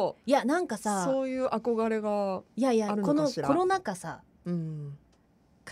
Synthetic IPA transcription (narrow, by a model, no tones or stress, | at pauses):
janãŋkasasoːjɯ̟ːʔako̞ɡaɾe̞ɡajajaaɾɯ̃ko̞noɾko̞ɾo̞nakasa | ɯ̃ | k